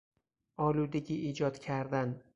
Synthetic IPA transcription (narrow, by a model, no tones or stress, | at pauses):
ɒːlud̪eɡʲiʔiːd͡ʒɒt̪kʲʰaɾd̪an